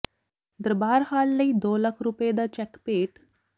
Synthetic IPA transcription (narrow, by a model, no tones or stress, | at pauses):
d̪əɾbaːɾhaːlːəid̪oːlɐkʰɾuped̪at͡ʃɛkpeːʈ